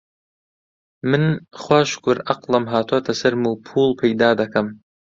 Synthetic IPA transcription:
mɨnχʷaʃkʷʰʊɾaqlˠɐmɦaːt̪ʰat̪ʰɐsɨɾmuːpʰuːlˠpʰajd̪aːd̪akʰam

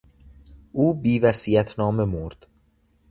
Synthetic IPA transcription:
ʔuːbiːvæsiːjæt̪ʰnɒːme̞moɾd̪̥

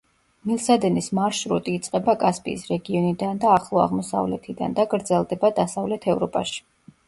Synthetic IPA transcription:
milˠsad̪ɛnismaɾʃɾut̪ʼiːt̪sʼqʼɛbakʼaspʼḭːsɾɛɡiɔnid̪and̪aːχlˠɔa̰ʁmɔsa̰vlɛt̪ʰid̪a̰nd̪aɡɾd̪zɛlˠd̪ɛbad̪asavlɛt̪ʰɛvɾɔpʼa̰ʃi̥

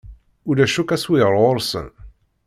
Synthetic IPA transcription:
ʊlæʃukæswɪʁəɾʁoɾˤsə̰n

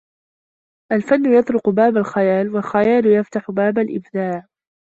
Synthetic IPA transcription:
ʔalfanːʊjɑt̪ˤɾʊqʊbaːbalxajaːlwalxajaːlʊjaft̪aħʊbaːbalʔɪ̰bd̪aːʕ

